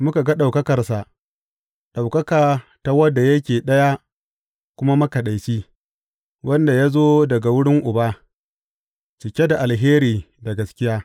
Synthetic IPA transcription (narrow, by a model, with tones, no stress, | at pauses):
mʊ˦ka˨ɡa˦ɗa˨wkɐ˦kɐ˨rsa˨ʔ | ɗa˨wkɐ˦kaː˨ta˨wɐ˦dːa˨jɐ˦kʲeː˨ɗɐ˦ja˦ | kʷʊ˦ma˦mʊ˦ka˨ɗa˨jt͡ʃiː˦ | wʔɐ˦nda˨ja˦zoː˦dɐ˨ɡa˨wʊ˦ɽɪ˦ŋʔʊ˨baː˦ | t͡ʃɪ˨kʲe˦da˨ʔa˨lɦeː˦ɾiː˨ | dɐ˨ɡɐ˨skʲɪ˦jaː˦